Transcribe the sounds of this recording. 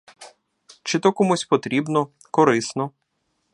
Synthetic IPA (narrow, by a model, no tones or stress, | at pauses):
t͡ʃɪt̪ɔkɔmusʲpɔt̪ɾʲibnɔ | kɔɾɪsnɔ